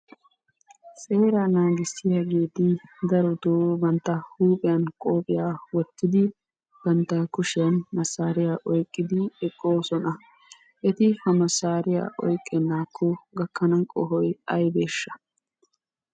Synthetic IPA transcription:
sʼe̞ːɾɐnaːɡɪsːɪjaɡe̞ːt̪ɪd̪ɐɾɔd̪oːbɐnt̪ːɐhuːpʼɪjɐnkʼoːpʼɪjaːwɔt̪ːɪd̪ɪ | bɐnt̪ːɐkʊʃɪjɐnmɐsaːɾɪjaʔɔjkʼːɪd̪ɪɛkʼːoːsɔnɐ | ʔɛt̪ɪhɐmɐsaːɾɪja̰ːʔɔjkʼːɛnːaːkʰːɔɡɐkːɐnɐkʼɔɦɔjɐjbe̞ːʃːɐ̥

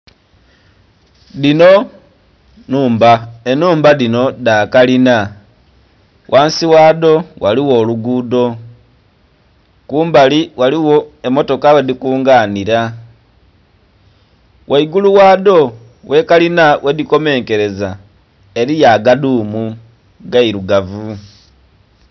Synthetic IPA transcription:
ðino̞ | nuːmbaenuːmbaðino̞dakalina | wʔaːnsiwaːdo̞waliwo̞ːluɡuːdo̞ | kuːmbaliwaliwo̞e̞mo̞to̞kawe̞dikuːŋɡaːniɾa | wʔaiɡuluwaːdo̞ | wʔe̞kalinawʔe̞ðiko̞me̞ːŋke̞ɾe̞za | e̞ɾijaɡaduːmu | ɡaiɾuɡavu

